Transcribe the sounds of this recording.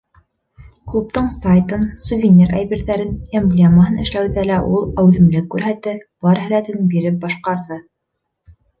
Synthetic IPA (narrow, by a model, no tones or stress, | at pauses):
klˠupt̪ɤɴsajt̪ɤnsuvʲɪnʲiɾʔæjbiɾðæɾɘnemblʲeməɦɤnɘ̆ʃlæwðælæʔulˠæwðɘ̆mlɘkːʉɾɦæt̪ɘbɑɾɦælæt̪ɘnbiɾɘp̚bɑʃqɑɾðɤ